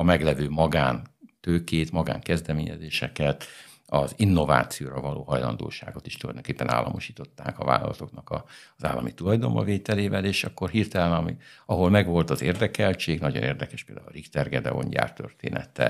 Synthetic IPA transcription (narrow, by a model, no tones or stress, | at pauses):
ɒmɛɡlɛvøːmɒɡaːnt̪øːkeːt̪mɒɡa̰ːŋkɛzd̪ɛmeːɲɛzeːʃɛkɛt̪ | ɒzinːo̞va̰ːt̪sijoːɾɒvɒlo̰ːɦɒjlɒnd̪o̰ːʃaːɡo̞t̪e̥ːʃt̪ulɒ̰jd̪oŋkeːpːɛna̰ːlːɒ̰mo̞ʃi̥ːt̪o̞t̪ːaːkɒva̰ːlɒ̰lɒt̪o̞knɒkɒza̰ːlːʔɒmit̪ulɒjd̪o̞mːɒ̰veːt̪ɛleːvɛleːʃɒkːo̞rhiːrt̪ɛlɛnɒmiɒɦo̞lmɛɡʋo̞lt̪ɒzeːrd̪ɛkɛlt͡ʃeːɡnɒɟonʔeːrd̪ɛkɛʃpeːld̪a̰ːulrikt̪ɛrɡɛd̪ɛ̰o̞̰ɲɟa̰ːrt̪ørt̪ḛːnɛ̰t̪ɛ̰